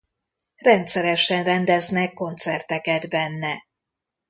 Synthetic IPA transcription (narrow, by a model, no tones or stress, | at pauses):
rɛnt̪sɛɾɛʃɛnrɛnd̪ɛznɛkːo̞nt̪sɛrt̪ɛkɛd̪bɛnːɛ